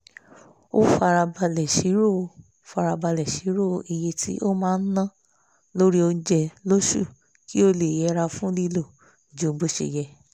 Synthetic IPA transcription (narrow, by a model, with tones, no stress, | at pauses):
o˦fa˧ɾa˧ba˧lɛ˨ʃi˨˦ɾo˦˨˧ | fa˧ɾa˧ba˧lɛ˨ʃi˨˦ɾo˦˨˧i˨je˧tʰi˦ʔo˦mãː˦˧n̩˦nã˦˨ | lo˦ɾi˦o˧n̩˦d͡ʒɛ˧lo˦ʃṵ˦˨ | kʰi˦o˦le˨jɛ˨˧˦ɾa˧fũ˦li˦lo˦˨ | d͡ʒõ˨˦bo˧ʃḛ˨jɛ˧